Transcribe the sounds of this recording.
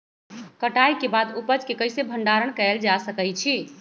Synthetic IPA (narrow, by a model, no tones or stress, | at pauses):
kəʈajkebad̪upət͡ʃkekəjsebʱəɳɖaɾəɳkəld͡ʒasəkəjt͡ʃʰi